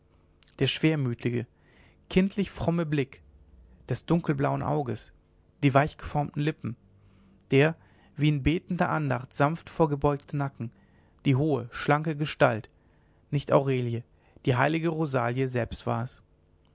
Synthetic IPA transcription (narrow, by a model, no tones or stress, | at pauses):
d̥eːɐʃv̥eːɐmyːtʰɪɡə | kʰɪntʰlɪçfʁ̥ɔməblɪk | d̥ɛsd̥ʊŋkl̩blaʊənʔa̰ʊɡəs | d̥iːvaɪçɡ̥əfɔɐmtn̩lɪpm̩ | d̥eːɐ | viːɪnbeːtn̩dɐʔandaχtz̥anftfoːɐɡəbɔʏktənakŋ̩ | d̥iːɦoːəʃlaŋkəɡəʃtalt | nɪçta̰ʊʁeːljə | d̥iːɦaɪlɪɡəʁozaːljəzɛlpstv̥a̰ːɐɛs